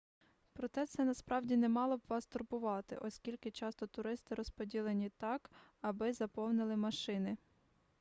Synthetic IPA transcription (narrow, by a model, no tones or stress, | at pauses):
pɾɔt̪ɛt̪sɛnɐspɾɑwdʲinɛmɑlˠɔbʋɑst̪ʊrbʊʋɑt̪ɪ̰ʔɔsʲkʲilʲkɪt͡ʃɑst̪ɔt̪ʊɾɪst̪ɪɾɔspɔdʲilˠenʲit̪ɑkɐbɪzɐpɔwnɪlˠɪmɐʃɪnɪ